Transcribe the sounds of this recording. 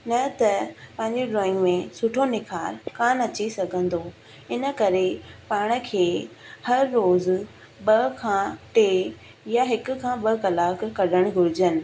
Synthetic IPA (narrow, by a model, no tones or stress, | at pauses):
nɐt̪ɐpɐ̃ɦɪ̃ɲd͡ʑiɖɾõːɪ̃ŋɡmẽsʊʈʰonɪkʰaːɾkaːnɐt͡ɕisɐɡʱə̃nd̪o | ɪnə̆kɐɾepaːɽ̃ə̆kʰeːhɐɾːoːz | ɓɐkʰãːʈeː | jaɦɪkʊ̆kʰãːɓɐkɐlaːkkɐɗəɽ̃ɡʱʊɾɪd͡ʑənɪ̆